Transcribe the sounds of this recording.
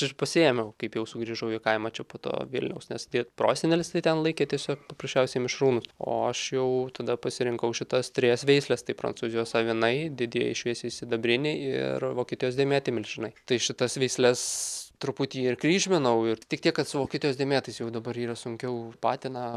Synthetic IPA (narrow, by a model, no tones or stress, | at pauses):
ɪpɐsʲɪɛmʲɛʊkɐɪpjɛʊsʊɡɾʲiːʒɐʊɪkɐɪmɐt͡ʃʲɛpoːt̪o̰ːʋʲɪ̰lʲnʲɛʊsnʲɛsd̪ʲipɾo̰ːsʲɪnʲelʲɪst̪ɐɪt̪ʲɛnlˠɐɪkʲeːt̪ʲiɛsʲoːkpɐprɐsʲt͡ʃʲɛʊsʲeɪmʲɪʃɾuːnʊso̰ːɐʃjɛʊt̪ɐd̪ɐpɐsʲɪɾʲɪŋkɐʊʃʲɪt̪ɐst̪ʲɾʲɪjɛsʋʲɛɪsʲlʲɛst̪ɐɪpɾɐ̰nt͡suːzʲɪjoːsɐʋʲɪnɐɪd̪ʲɪd̪ʲɪjɛ̰ɪʃʲʋʲiɛsʲeɪsʲɪd̪ɐbʲɾʲɪnʲɪɪ̰ɾʋoːkʲiːt̪ʲɪjoːsdʲɛmʲæːt̪ʲɪmʲɪlʲsʒɪnɐɪt̪ɐɪʃʲɪt̪ɐsʋʲɛɪsʲlʲɛst̪ɾʊpʊt̪ʲiːɪrkɾʲiːʒʲmʲɪnɐʊɪɾt̪ʲɪkt̪iɛkkɐt̪sʊʋoːkʲiːt̪ʲɪjoːsd̪ʲiɛmʲæːt̪ɐɪsjɛʊd̪ɐbɐɾiːɾɐsʊŋʲkʲɛʊpɑːt̪ʲɪnɑ